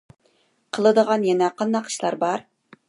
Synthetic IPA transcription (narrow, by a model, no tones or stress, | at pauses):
qʰəlˠɨd̪əʁɑnjɛnɛqʰɑnd̪ɑqi̥ʃlˠɑɾbɑɾ